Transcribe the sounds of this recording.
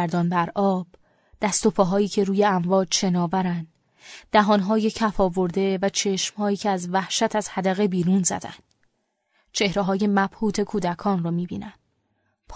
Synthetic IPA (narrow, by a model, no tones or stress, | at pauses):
ɾd̪ɒːnbæɾʔɒːb̥ | d̪̥æst̪opʰɒːɦɒːiːcʰe̞ɾuːje̞æɱvɒːd͡ʒʃe̞nɒːvæɾænd̪ | d̪̥æɦɒːnɦɒːjecʰæfɒːvo̞ɾd̪e̞væt͡ʃʰe̞ʃmhɒːiːcʰeæzvæhʃæt̪ʰæz̥hæd̪æɣe̞biːɾuːnzæ̰d̪æ̰nd̪̥ | t͡ʃʰe̞hɾeɦɒːje̞mæb̥huːt̪ʰe̞kʰuːd̪ækʰɒːnɾɔmiːbḭːnænd̪̥ | pʰ